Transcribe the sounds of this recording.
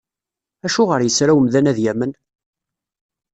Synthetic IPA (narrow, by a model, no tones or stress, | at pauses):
æʃuʁəɾjəsɾæwəmðænæðjæmən